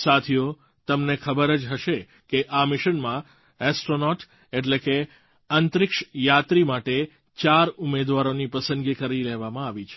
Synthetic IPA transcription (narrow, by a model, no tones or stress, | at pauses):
sat̪ʰijo | t̪əmnekʰəbəɾəd͡ʒɦəʃe | keʔamɪʃənmã | ɛsʈɾonɔʈ | eʈ̬leke | ənt̪ɾɪkʃjat̪ɾimaʈe | t͡ʃaɾumed̪ʋaɾonipəsə̃nd̪ɡikəɾileʋamãaʋit͡ʃʰe̥